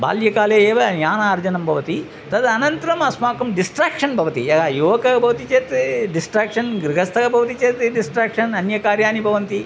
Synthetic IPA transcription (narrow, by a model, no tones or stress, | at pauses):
ba̰ːljɐkaːleːeːʋɐnjaːnaːɐɾd͡ʒɐnɐmbʱɐʋɐt̪i | t̪ɐd̪ɐnɐnt̪ɐɾɐmɐsmaːkɐmɖisʈɾaːkʂɐnbʱɐʋɐt̪iɐajuʋɐkɐɐbʱɐʋɐt̪it͡ʃeːt̪ɖisʈɾaːkʂɐnɡɾiɡʱɐst̪ʰɐɡɐbʱɐʋɐt̪it͡ʃeːt̪ɖisʈɾaːkʂɐnɐnjɐkaːɾjaːnibʱɐʋɐnt̪i